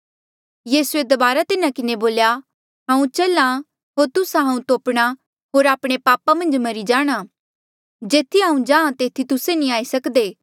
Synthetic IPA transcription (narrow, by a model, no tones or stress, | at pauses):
jiːsued̪ɐbaːɾat̪ɪnãkɪneboːlja | ɦãːũt͡ʃɐlã | ɦoːɾt̪ʊsãɦãːũt̪oːpɽ̃a | ɦoːɾaːpɽ̃epaːpamɐ̃nd͡ʒmɐɾid͡ʒaːɽ̃a | d͡ʒeːt̪ʰiɦãːũd͡ʒãːãt̪eːt̪ʰit̪ʊsenĩaːisɐkd̪eː